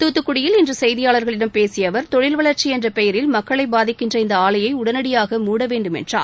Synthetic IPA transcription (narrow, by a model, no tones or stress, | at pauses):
t̪uːt̪ːɯkːʊɽɪjɪlɪndrɯsɛjðɪjaːɭɐɾɣɐɭɪɽɐmpeːsɪjɐʋɐɾt̪ɔɻɪlʋɐɭɐɾt͡ʃiɛndrɐpɛjɐɾɪlmɐkːɐɭɐɪbaːðɪkːɪndrɐɪnd̪ɐaːɭɐjɐɪʊɽɐnɐɽɪjaːɣɐmuːɽɐʋeːɳɖɯmɛ̰ndra̰ː